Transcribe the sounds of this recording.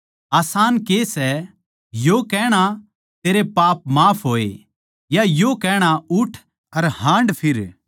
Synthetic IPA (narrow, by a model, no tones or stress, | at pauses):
aːsaːnkesɛ | jokɛːɽ̃a | t̪eːɾepaːpmaːpʰɦoːe | jajokɛːɽ̃aʊʈʰ | ɐɾhãːɳɖpʰɪɾ